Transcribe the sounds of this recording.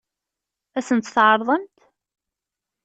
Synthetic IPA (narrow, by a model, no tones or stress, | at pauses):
æsənt̪θʕəɾˤðˤəmt̪